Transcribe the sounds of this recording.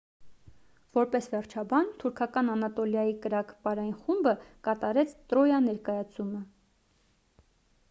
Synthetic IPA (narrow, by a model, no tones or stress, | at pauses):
vɔɾpɛsvɛrt͡ʃʰɑbɑnt̪ʰuɾkʰɑkɑnɑnɑt̪ɔljɑjikəɾɑkpɑɾɑjinχumbəkɑt̪ɑɾɛt͡sʰt̪ɾɔjɑnɛɾkɑjɑt͡sʰumə